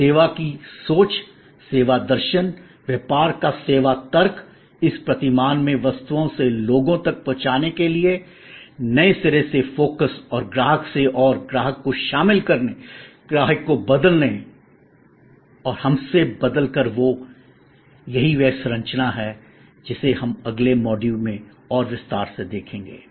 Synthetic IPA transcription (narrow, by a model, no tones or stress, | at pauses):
seːʋakisoːt͡ʃ | seːʋad̪ɐɾʃən | ʋjepaːɾkaseːʋat̪ɐɾk | ɪspɾɐt̪ɪmaːnmẽʋɐst̪uõseloːɡõt̪ɐk̚pɔ̃ːt͡ʃaːnekelie | nɐesɪɾesefoːkəsɔːɾɡɾaːɦəkseʔɔːɾɡɾaːɦəkːoʃaːmɪlkɐɾneɡ̥ɾaːɦəkːobɐd̪əlneĩ | ɔːɾhɐmsebɐd̪əlkəɾʋo | jɐɦiʋɛːsɾɐ̃ɲt͡ʃnaɦɛ | d͡ʒɪseɦɐmɐɡlemɔːɖiːʋmẽ | ɔːɾʋɪst̪aːɾsed̪eːkʰẽːŋɡḛː